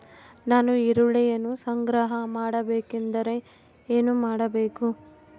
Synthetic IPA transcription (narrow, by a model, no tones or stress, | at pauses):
naːnuiɾuɭɛjɐnusɐŋɡɾaɦɐmaːɽɐbeːkind̪ɐɾe̞ | eːnumaːɽɐbeːku